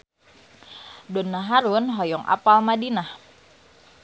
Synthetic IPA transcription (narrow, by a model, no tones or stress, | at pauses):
dɔnːaɦaɾunɦɔjɔŋʔa̰palmadinah